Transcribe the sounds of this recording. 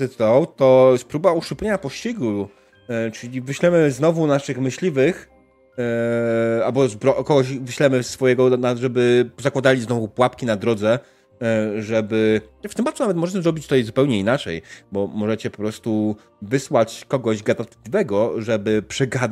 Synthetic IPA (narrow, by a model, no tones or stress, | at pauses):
ɛt̪wt̪ɔjɛst̪pɾubauʂupʲeɲapɔɕt͡ɕiɡu | t͡ʂɘlʲivɘɕlɛmɘznɔvunaʂɘxmɘɕlʲivɘx | albɔzbɾɔʔkɔɡɔɕvɘɕlɛmɘsːfɔjɛɡɔnaʐɛbɘzakwad̪alʲiznɔvupwapkʲinad̪ɾɔd̪zɛ | ʐɛbɘɛft̪ɘmbat̪sunavɛt̪mɔʐɛt͡ɕɛzɾɔbʲit͡ɕt̪ajzupɛwɲɛinat͡ʂɛ̰jbɔmɔʐɛt͡ɕɛpɔ̥pɾɔst̪u | vɘswat͡ɕkɔɡɔʑɡad̪ant̪lʲivɛɡɔʐɛbɘpʂɛɡad̪